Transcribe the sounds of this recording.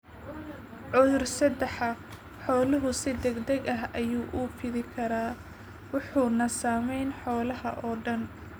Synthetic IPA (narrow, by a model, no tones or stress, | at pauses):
ʕʊðʊrsɐd̪ɛħɐ | ħɔːlʊɦʊsɪd̪ɛɡd̪ɐɡɐɦɐjuːʔʊpʰɪðɪkʰɐɾaː | wɑħuːnɐsaːmɛjnħɔːlɐɦɐ̰ʔɔːɖɐn